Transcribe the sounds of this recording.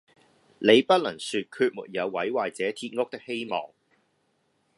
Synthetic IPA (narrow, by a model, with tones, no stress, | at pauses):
ne˨˧jpɐ˥t̚lɐ˨˩ŋsyː˧t̚kʰyː˧t̚mṵː˨˩t̚jɐ˨˧wːɐ˨˥jwaː˨˩jt͡sɛː˨˥t̪ʰiː˧t̚ŋʊ˥k̚t̪ɪ˥k̚he˥jmɔ̰ː˨˩ŋ